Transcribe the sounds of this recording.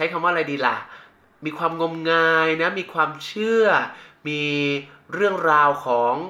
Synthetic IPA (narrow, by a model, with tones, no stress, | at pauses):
t͡ɕʰa˦˥jkʰa˧mwaː˥˩˨ɾa˧jdiː˧la̰˨˩ | miː˧kʰwaː˧mŋo˧mŋaː˧jna˦˥miː˧kʰwaː˧mt͡ɕʰɯ˥˩ɐmiː˧ɾɯ˥˩əŋɾaː˧wkʰɔː˩˦ŋ